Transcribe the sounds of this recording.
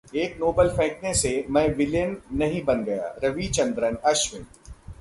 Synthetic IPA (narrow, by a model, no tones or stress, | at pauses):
eːknoːbəlpʰɛ̃ːknesemɛ̃ːʋɪljənːɐɦĩbɐnɡɐja̰ːɾɐʋit͡ʃɐ̃nd̪ɾənɐʃʋɪ̃n